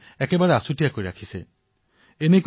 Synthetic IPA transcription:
ɛkebaɹɛasutijakoɹiɾa̰kʰise | enek

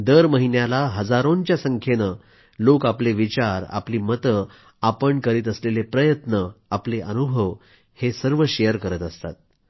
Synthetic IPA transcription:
d̪əɾməɦinjalaɦəd͡zaɾont͡ɕjasəŋkʰjenə | lokapleʋit͡ɕaɾa̰pliːmət̪ə | apəɳkəɾiːt̪əslelepɾəjət̪nəapleʔənubʱəʋ | hesəɾʋəɕejəɾkəɾət̪əst̪a̰t̪̚

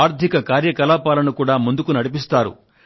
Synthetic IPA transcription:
aːɾd̪ʱikɐkaːɾjɐkɐlaːpaːlɐnukuːɽaːmund̪ukunɐɽipist̪aːɾṵ

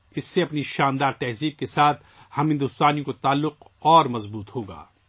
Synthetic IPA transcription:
ɪsːeɐpniʃaːnd̪aːɾt̪ɛɦziːb̚kesaːt̪ʰ | hɐmɦɪ̃nd̪ʊst̪aːnjĩõkot̪aːlːʊq | ɔːɾmɐzbuːt̪hoːɡa̰ː

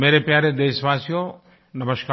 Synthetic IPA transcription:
meːɾepjaːɾed̪eːʃʋaːsijo | nɐməʃkaː

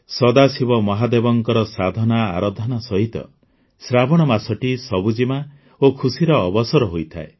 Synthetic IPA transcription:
sɔd̪asibɔmɔɦad̪ebɔŋkɔɾɔsad̪ʱɔnaːɾɔd̪ʱɔnasɔɦit̪ɔ̰ | sɾabɔɽ̃ɔmasɔʈisɔbud͡ʒima | okʰusiɾɔːbɔsɔɾɔɦojt̪ʰa̰e

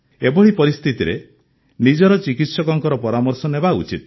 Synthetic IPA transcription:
ebɔɽipɔɾist̪ʰit̪iɾḛ | nid͡ʒɔɾɔt͡ʃikit̪sɔkɔŋkɔɾɔpɔɾamɔɾsɔnebaṵt͡ʃit̪̚

